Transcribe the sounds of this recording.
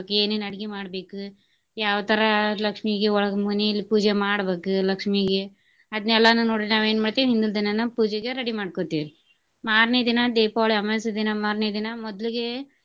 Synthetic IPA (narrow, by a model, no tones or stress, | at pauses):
keːnenɐɽiɡimaːɽbe̞ːku | jaːʋɐt̪ʰɐɾɐlɐkʂmiɡeɔɭɐɡɐmuneilːipuːd͡ʒemaːɽbeːkulɐkʂmiɡe | ɐd̪ɐnɛlːɐnːunoːɽinaːʋeːnmaːɖt̪iːʋɦind̪uld̪inɐnːɐpuːd͡ʒeɡeɾɐɽimaːɽkot̪iːɾi | maːɾned̪inɐd̪ɛːpaʋɭiɐmɐsid̪inɐmaːɾned̪inɐmɔd̪liɡe